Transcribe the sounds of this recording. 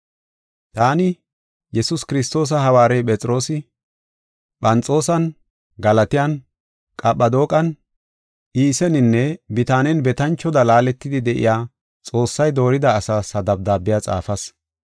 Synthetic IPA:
t̪aːnɪ | jɛsʊskɪɾɪst̪o̞ːs̬ɐɦɐwaːɾɛjpʼɛt͡sʼɪɾo̞ːsɪ | ɓɐnt͡sʼo̞ːsɐn | ɡɐlɐt̪ɪjɐn | kʼɐɓːɐd̪o̞ːkʼɐn | ʔiːsɛnɪnːɛbɪt̪aːnɛnbɛt̪ɐnt͡ʃːɔd̪ɐlaːlɛt̪ːɪd̪ɪd̪ɛʔɪ̰jaː | t͡sʼo̞ːsːɐjd̪o̞ːɾɪd̪ɐːsasɐd̪ɐb̚d̪aːbɪjaːt͡sʼa̰ːfɐs

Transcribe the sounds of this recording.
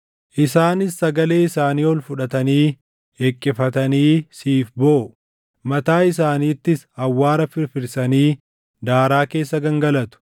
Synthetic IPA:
ʔɪsaːnɪsːɐɡɐle̞ːɪsaːniːɔlfʊᶑɐt̪ɐniː | eːkʼːɪfɐt̪ɐniːsiːfboː | mɐt̪aːɪs̬aːniːt̪ːɪsɐwːaːɾɐfɪɾfɪɾsɐniː | d̪aːɾaːke̞ːsːɐɡɐŋɡɐlɐt̪ʊ̥

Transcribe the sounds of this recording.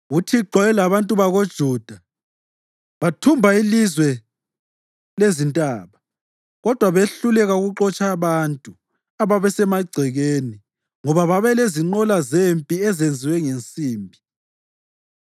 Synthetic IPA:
ɣutʰiǃɔɛlaβantʼuβaɣod̥ʒ̥ʱuːd̥ʱa | βatʰumbʱailizwɛ | lezintʼaːβa | ɣɔd̥ʱwaβeɬulɛɣauɣuǁɔt͡ʃʼaβantʼu | aβaβɛsɛmaɡ͡ǀʱɛɣeni | ŋɔβaβaβɛleziŋ͡ǃɔlazempʼiɛzend͡zʱiwɛŋent͡sʼiːmbʱi

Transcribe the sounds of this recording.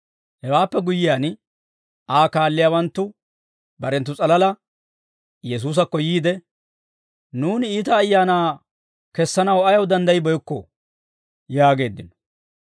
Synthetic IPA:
hɛwaːpːɛɡʊjːɪjaːn | ʔaːkaːlːɪjaːwɐnt̪ːʊ | bɐɾɛnt̪ːʊt͡sʼɐlɐlɐ | jɛs̬uːs̬ɐkːɔjiːd̪ɛ | nuːnɪiːt̪ɐːjːaːnaː | kɛsːɐnɐwɐjɐwd̪ɐnd̪ɐjɪbɔjkːɔ̰ | jaːɡe̞ːd̪ːɪnɔ̥

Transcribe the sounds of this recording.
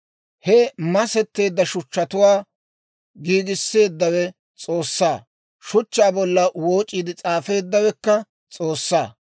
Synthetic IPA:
hɛmɐsɛt̪ːe̞ːd̪ːɐʃʊt͡ʃːɐt̪ʊwaː | ɡiːɡɪsːe̞ːd̪ːɐwɛ | t͡sʼo̞ːsːaː | ʃʊt͡ʃːaːbɔlːɐwo̞ːt͡ʃʼːiːd̪ɪt͡sʼaːfe̞ːd̪ːɐwɛkːɐ | t͡sʼo̞ːsːaː

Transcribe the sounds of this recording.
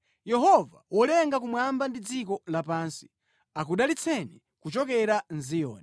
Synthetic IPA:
jɛɦɔva̰wʔɔlɛŋɡakumwambandid͡zikɔlapaːnsi̥ | akuɗalit͡sʰɛnɛ | kut͡ʃɔkɛɾanzijɔ̰ːnɛ

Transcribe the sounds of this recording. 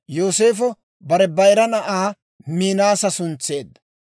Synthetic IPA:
joːse̞ːfɔ | bɐɾɛbɐjɾɐnɐʔaː | miːnaːsɐsʊnt͡sːe̞ːd̪ːɐ̥

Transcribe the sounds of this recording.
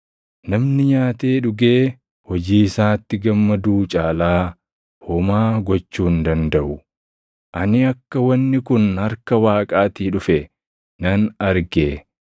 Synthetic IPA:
nɐmnɪɲaːt̪eːᶑʊɡeː | hɔd͡ʒiːɪsaːt̪ːɪɡɐmːɐd̪uːt͡ʃʼaːlaː | hɔmaːɡɔt͡ʃːuːnd̪ɐnd̪ɐʔʊ | ʔɐnɪɐkːɐwɐnːɪkʊnhɐɾkɐwaːkʼaːt̪iːᶑʊfɛ | nɐnɐɾɡeː

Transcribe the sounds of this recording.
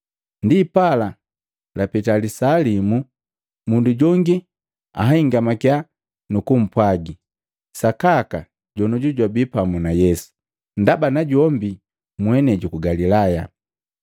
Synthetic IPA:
ndiːpala | lapɛtalisalimu | munduɟɔŋɡi | a̰ɦaiŋɡamakja | nukum̩pwaɡi | sakaka | ɟɔnɔɟuɟwabipamunajɛsu̥ | ndabanaɟɔmbi | mwɛnɛɟukuɡalilaja̰

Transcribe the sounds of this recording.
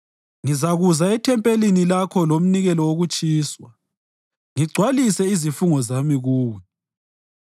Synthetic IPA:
ŋizaɣuzaɛtʰɛmpʼelinilakʰɔlom̩niɣɛlɔwoɣut͡ʃʼiːswa | ŋiɡ͡ǀʱwalisɛizifuŋɔzamiɣuːwɛ

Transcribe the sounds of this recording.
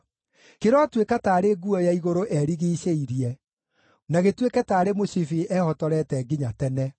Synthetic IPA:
keɾɔtwekataːɾeɡuɔjaiɣoɾoʔɛɾiɣiːɕeiɾiɛ | naɣetwekɛtaːɾemosifiʔɛhɔtɔɾɛtɛɡiɲatɛnɛ

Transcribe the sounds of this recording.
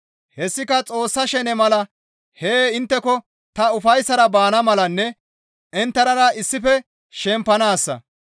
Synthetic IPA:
hɛsːɪkɐt͡sʼo̞ːsːɐʃɛnɛmɐlɐ | heːɪnt̪ːɛkɔ | t̪ɐʊfɐjsːɐɾɐbaːnɐmɐlɐnːɛ | ɛnt̪ːɐɾɐɾɐɪsːɪfɛ | ʃɛmpːɐnaːsːɐ̰

